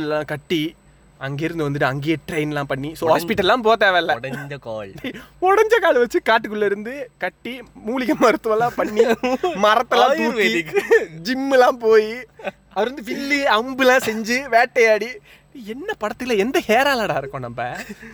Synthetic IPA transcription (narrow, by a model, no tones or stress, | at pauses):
lãːkɐʈːi | ɐŋɡeːɪɾɯnd̪ɯʋɐnd̪ɯʈːɯɐŋɡeːʈɾɐɪnɛlãːpɐɳːisoːɦaːspɪʈːɐllãːp̬oːt̪eːʋɐlːɐɽɐd͡ʒkaːlɔɽɐɲd͡ʒɐkaːlʋɐt͡ʃːɯkaːʈ̬ːɯkːɯɭlːɐɪɾɯnd̪ɯkɐʈːimuːlɪɣɐmɐɾɯt̪ːɯʋɐlãːpɐɳːimɐɾɐt̪ːɐlãːuːkːid͡ʒɪmːɯlãːpoːji | ɐʋɐɾʋɐnd̪ɯʋɪlːiɐmbɯlãːsɛɲd͡ʒɯʋeːʈːɐjaːɽi | iɛnːɐpɐɽɐt̪ːɯɪlɐɛnd̪ɐheːɾaːlaːɽaːɪɾɯkːõːnɐmbɐ